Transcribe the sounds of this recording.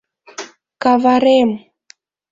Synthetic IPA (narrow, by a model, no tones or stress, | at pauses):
kavaɾɛm